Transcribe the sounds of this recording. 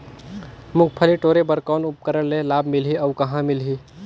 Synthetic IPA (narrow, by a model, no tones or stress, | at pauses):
mʊ̃k̚pʰəliʈoːɾebəɾkaːnʊp̚kəɾəɽlelaːbmɪlɦiɐwkɐɦãmɪlɦiː